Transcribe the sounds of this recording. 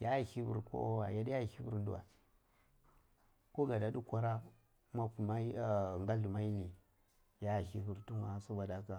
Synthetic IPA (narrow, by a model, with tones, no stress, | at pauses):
ja˦˨hi˦vṵ˨ɾko̰˦o˦wa˨ja˦di˦ja˦˨hi˦vu˦ɾdṵ˦wa̰˨ | ko˦ɡa˨da˨du˦kʷa˦ɾa˦ | ma˦pu˨ma˦i˦˨ŋɡa˦ɮu˨ma˦i˦ni˨ | ja˦˨hi˦vu˨ɾtu˦na˨˦sa˦ba˨da˦ka˦